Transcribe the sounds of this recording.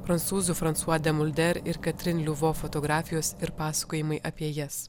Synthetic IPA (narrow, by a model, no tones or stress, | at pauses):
fɾɐnt̪suːzufɾɐnt̪suɔd̪ʲɛmʊlʲd̪ʲɛɾʲɪɾkɐt̪ʲɾʲɪnlʲʊʋoːfɔt̪ɔɡɾɑːfʲɪjoːsɪɾpɑːsɐ̥koːjɪmɐɪʔɐpʲiɛjɛs